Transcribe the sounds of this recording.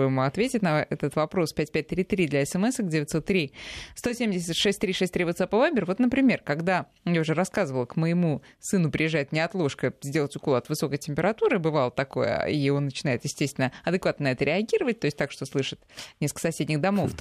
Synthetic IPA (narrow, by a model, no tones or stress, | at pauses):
ɨjɪmɐt̪vʲetʲɪtʲnɐɛt̪ət̪vɐpɾo̞spʲæt̚ʲpʲæt̚ʲt̪ɾʲit̪ɾʲid̪lʲɐɛsɛmɛsəɡdʲevɪtʲso̞t̪ːɾʲist̪o̞sʲemʲdʲɪs̬ʲɪt̪ʂɛsʲtʲt̪ɾʲiʂɛsʲt̪ɾivot̪sapəvabʲɪrvo̞t̪nəpɾʲɪmʲe̞rkɐɡd̪a | jaʊʐɛɾɐskazɨvəlˠəkməjɪmu | sɨnʊpɾʲɪjɪʐːajɪt̪nʲɪɐt̪lˠo̞ʂkəzʲdʲelˠətʲʊkolˠəɐt̪vɨso̞kəjtʲɪmʲpʲɪɾɐt̪uɾɨbɨvalˠət̪ɐko̞̰jə̰io̞nːət͡ɕɪnaɪt̪jɪsʲtʲest̪vʲɪnəɐd̪ɨkvat̪nənɐɛt̪əɾʲɪɐɡʲiɾəvət̚ʲt̪o̞ɪsʲtʲt̪akʂt̪o̞slˠɨʂɨt̪nʲeskə̥sɐsʲedʲnʲɪxd̪ɐmo̞ft̪